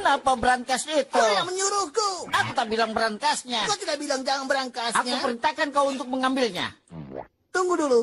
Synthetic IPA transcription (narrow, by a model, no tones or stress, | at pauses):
lahpabəɾaŋk̪asit̪uajaŋməɲuɾuhkuakut̪abilaŋbəɾank̪asɲakat̪idaʔbilaŋd͡ʒaŋanbəɾaŋkasakɲupəɾint̪akankauunt̪ʊk̚məŋambɪlɲa̰ | t̪uŋɡudulu